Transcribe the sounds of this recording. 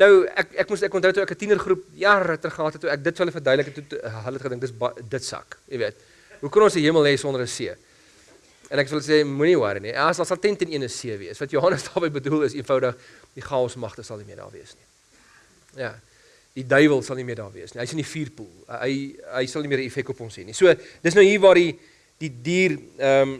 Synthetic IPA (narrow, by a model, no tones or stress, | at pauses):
nəwækækmusækɔntəwtuækətinərχrɾup̚jɑrətərχəɦɑːtɛtːuæk̚dətfuɦələfərdœjdələkətutɦələtχədəŋk̚dətəsbdətsɐ̰kjəviət̚ | ɦukonɔnsiɦiəməlˠɦɛsɔndəɾəsiə | ənæksfəələs̬eːmuniwɐ̰ɾənisɐlsɐlˠtɛntɛniənəsiəviəsvɐtjoɦɐnəsdɑːbəjbədulˠəsiənfɐwdəχ | d̥iχɑːɔsmɐχtəsɐlˠnimiədɑ̰ːrviəsni | jɑː | d̥idœjvəlˠsɐlˠnimiərdɑ̰ːrviəsniɦəjsəndifiːrpulˠɦə̰jɦəjsɐlnimiəɾiifɛk̚tɔpɔnsɦɛnisuəd̥ətsnəwɦiːvɑːrdi | d̥idiːrəm